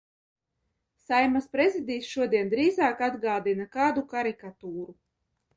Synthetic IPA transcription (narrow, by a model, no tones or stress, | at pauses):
sajmaspɾɛzʲid̪iːsʃuɔd̪iɛnd̪ɾiːzaːkad̪ɡaːd̪inakaːd̪ukaɾikat̪uːɾu